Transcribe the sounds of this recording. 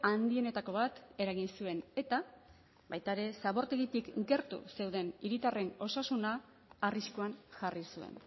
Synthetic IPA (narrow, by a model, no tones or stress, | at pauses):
and̪ie̞ne̞t̪ako̞β̞at̪e̞ɾaɣ̞insue̞ne̞t̪a | bajt̪aeɾe̞saβo̞ɾt̪e̞ɣit̪ikɡe̞ɾt̪ṵse̞wðe̞niɾit̪are̞no̞sasunaː | riskuanʝarisue̞̰n